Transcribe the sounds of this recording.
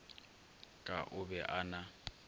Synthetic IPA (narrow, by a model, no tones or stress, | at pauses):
kʼa̰ʔʊbɛʔana